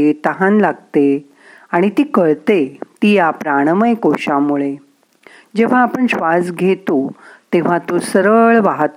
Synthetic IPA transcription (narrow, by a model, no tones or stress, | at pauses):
et̪əɦãnlaɡt̪e | aɽ̃it̪iːkəɭt̪et̪iːjapɾaɽ̃əməjkoɕamuɭe | d͡ʑeʋ̤aːpəɳɕʋasɡʱet̪ot̪eʋ̤at̪osəɾəɭʋaɦt̪